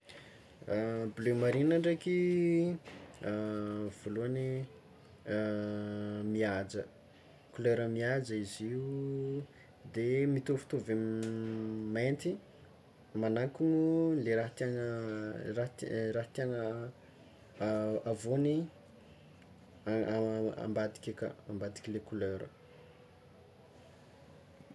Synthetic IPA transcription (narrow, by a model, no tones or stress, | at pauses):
blemaɾinaɳɖ͡ʐeki | v̥oluani | miad͡ʒə | kuleɾəmiad͡ʒəiziu | d̪emit̪ufu̥t̪ovem | ment̪i | manaŋkuŋuleɾat̪anərat̪ɾaɦt̪anə | avoni | a̰mbad̪i̥kʲika̰ambad̪i̥kʲilekuløɾə̰